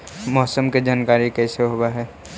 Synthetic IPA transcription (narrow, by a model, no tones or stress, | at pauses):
mɔɦsəmked͡ʒaːnkaːɾikɛːseɦowaɦɛː